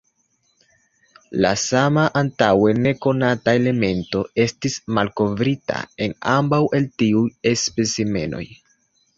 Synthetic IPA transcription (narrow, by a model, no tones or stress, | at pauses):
la̰samaʔantawe̞ne̞ko̞natae̞le̞me̞nto̞e̞stismalko̞vɾita̰e̞nambawʔe̞ltiuje̞spe̞sime̞̰no̞̰j